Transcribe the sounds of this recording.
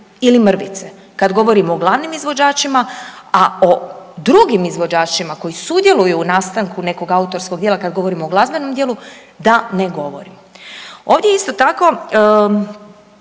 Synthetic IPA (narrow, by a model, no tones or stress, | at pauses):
ilimr̩ʋḭt̪se̞ | kad̪ɡo̞ʋo̞ɾimooɡlˠaʋnimizʋo̞d͡ʒaːt͡ʃimaao̞d̪ɾuɡimizʋo̞d͡ʒaːt͡ʃimako̞jisud̪je̞lujuːnaːst̪aŋkune̞ko̞ɡaut̪o̞ɾsko̞ɡ̚dʲjelakad̪ɡo̞ʋo̞ɾimooɡlˠazbenomd̪jelu | d̪ane̞ɡo̞ʋo̞̰ɾim | o̞ːʋd̪jeist̪ot̪ako̞